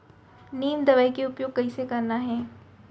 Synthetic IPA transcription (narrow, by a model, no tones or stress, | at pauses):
niːmd̪ɐʋaikeʊpjoːɡ̚kɐisekɐɾnaɦɛː